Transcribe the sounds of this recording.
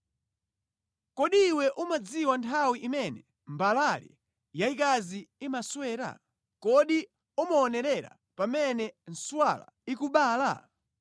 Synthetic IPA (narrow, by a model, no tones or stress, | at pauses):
kɔɗiːwɛʔumad͡ziwantʰawiʔimɛnɛ | mbalalɛ̰ | jaikaziimaswɛːɾa̰ | kɔɗi | umaɔnɛɾɛɾa̰ | pamɛnɛn̩swala̰ikuɓaːla̰